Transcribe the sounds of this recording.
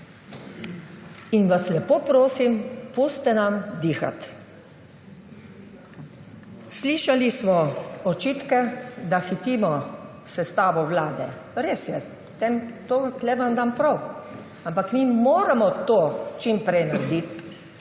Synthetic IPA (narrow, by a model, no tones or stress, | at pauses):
inʋaslɛpoːpɾoːsimpoːst̪ɛnamd̪iːxa̰t̪ | sliːʃalismɔɔt͡ʃiːt̪kɛd̪axit̪iːmɔ | sɛst̪aːʋɔwlaːd̪ɛ̰ | ɾeːsjɛ | t̪emt̪ot̪lɛʋamd̪aːmpɾɔw | ampakmiːmoːɾamɔt̪oːt͡ʃimpɾɛjnaɾd̪it̪